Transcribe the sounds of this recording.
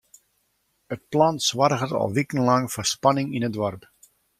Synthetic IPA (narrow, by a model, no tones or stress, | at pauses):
ət̚plɑnsʋarɣərtɔ̰lˠʋikənlɑŋfɔspanɪŋinədʋɔrp